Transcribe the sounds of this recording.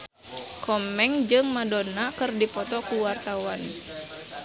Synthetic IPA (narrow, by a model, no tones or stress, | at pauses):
kʰɔmɛŋd͡ʒɨŋmadɔnakɨrdipɔt̪ɔkuwart̪awan